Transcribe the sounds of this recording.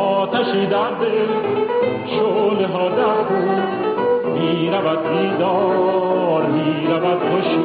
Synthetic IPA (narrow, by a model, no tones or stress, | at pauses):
ɔːt̪ʰæʃiːd̪æɾd̪el | ʃoleɦɔːd̪æɾk̪un | miːɾævæd̪̚biːd̪ɔː | ɾmiːɾævæd̪̚hoʃ